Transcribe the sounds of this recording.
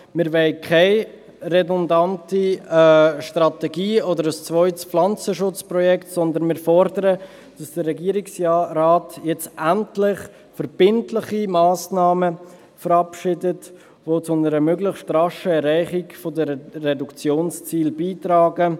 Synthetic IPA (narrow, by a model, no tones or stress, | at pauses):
mɪɾvɛɪkʰaɪ | rɛdɔndanti | ʃtrɑtɛɡiːɔdəɾəst͡svɔʏtpflɑnt͡səʃʊt͡spɾɔjɛktsɔndənmɪːɾfɔɾdəɾə | d̥ɑsd̥ərːɛɡiːɾiksɾaːtjɛt͡sʔantlɪχ | fəɾb̥ɪntlɪχimɑːsnɑːmə | fəɾɑpʃɪdət | vot͡sʊnəɾəmøɡlɪχstrɑʃəɛɾaɪχikfodəːɛdukt͡sjoːnst͡siːlbiːtɾɑːɡə